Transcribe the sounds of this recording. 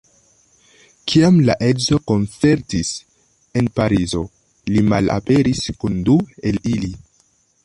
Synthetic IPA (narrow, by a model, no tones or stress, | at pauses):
kʰiamlaʔe̞dzo̞ko̞nt͡se̞ɾtis | e̞npaɾizo̞ | lima̰la̰pe̞ɾiskundue̞lili